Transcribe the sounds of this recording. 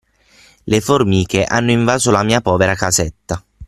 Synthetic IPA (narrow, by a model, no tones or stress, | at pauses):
leformiːkeʔanːoiɱvaːzolamiːapɔːveɾakazet̪ːa